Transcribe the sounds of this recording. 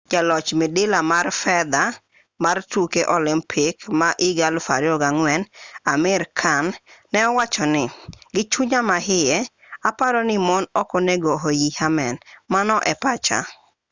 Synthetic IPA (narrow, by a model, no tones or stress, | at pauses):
d͡ʒalɔt͡ʃmidɪlamarfɛd̪a | martukeʔɔlɪmpʰɪkmaʔɪɡalfaɾjɔɡaŋwɛnamɪɾkʰanːɛɔwat͡ʃɔnɪɡɪt͡ʃuɲamaɦɪjɛ | apaɾɔnɪmɔnɔkɔneɡɔɦojihamɛnmanɔʔɛpat͡ʃa̰